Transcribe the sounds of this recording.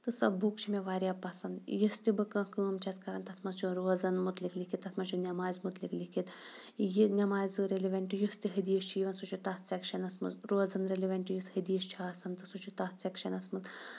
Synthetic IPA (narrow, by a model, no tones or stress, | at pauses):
t̪ɨsɐ̰bbukt͡ʃʰimeʋaːɾijapːɐsɐnd̪jist̪ibɨkɐ̃kɨːmt͡ʃʰɐskɐɾɐnt̪ɐt̪ʰmɐzt͡ʃʰuɾoːzɐnmut̪liklikʰit̪ːɐt̪ʰmɐt͡ʃʰunʲɐmaːzʲmut̪liklikʰit̪ | jinʲɐmaːzʲɨɾeliʋʲɐɳʈijust̪iɦɨd̪ijɐʃt͡ʃʰijiʋɐnsut͡ʃʰut̪ɐt̪sʲekʃɐnɐsmɐ̰zɾoːzɐnɾeliʋʲɐɳʈjushɨd̪ijɐʃt͡ʃʰiaːsɐnt̪ɨsut͡ʃʰut̪ɐt̪sʲekʃɐnɐsmɐz